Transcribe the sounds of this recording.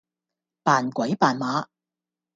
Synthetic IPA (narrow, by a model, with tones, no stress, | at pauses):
paː˨˩nkʷɐ˨˥jpaː˨˩nmaː˨˥